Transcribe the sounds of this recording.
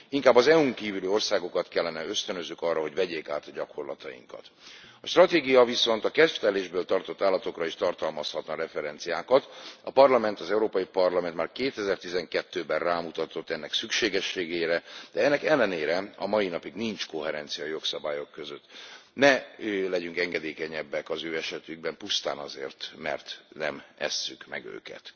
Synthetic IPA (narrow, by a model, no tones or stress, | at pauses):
iŋkaːbːɒzɛuŋkiːvylio̞rsaːɡo̞kɒt̪kɛlːɛnɛø̞st̪ønøzːykɒrːɒɦo̞ɟvɛɟeːkaːt̪ɒɟɒkorlɒ̰t̪ɒjḭŋkɒ̰t̪ | ɒʃt̪rɒt̪eːɡijɒviso̞nt̪ɒkɛt̪ft̪ɛleːʒbøːlt̪ɒrt̪o̞t̪ːaːlːɒt̪o̞krɒiʃt̪ɒrt̪ɒlmɒshɒt̪nɒɾɛfɛɾɛnt̪sijaːkɒt̪ɒpɒrlɒmɛnt̪ɒzɛuɾoːpɒjipɒrlɒmɛnt̪maːrkeːt̪ɛzɛrt̪izɛŋkɛt̪ːøːbɛrraːmut̪ɒt̪o̞t̪ːɛnːɛksykʃeːɡɛʃːeːɡeːɾɛd̪ɛɛnːɛkɛlːɛneːɾɛɒmɒjinɒpiɡnint͡ʃko̞ɦɛɾɛnt̪sijɒjo̞ksɒbaːjo̞kːø̞zøt̪nɛlɛɟyŋkɛŋɡɛd̪eːkɛɲɛbːɛkɒzøːɛʃɛt̪yɡ̚bɛmpust̪a̰ːnɒzḛːrt̪mɛ̰rt̪nɛmɛ̰sːykmɛ̰ɡø̰ːkɛ̰t̪